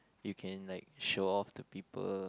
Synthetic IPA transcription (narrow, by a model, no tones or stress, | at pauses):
jukʰɛ̃nlaɪk̚ʃoɔftupipə̰l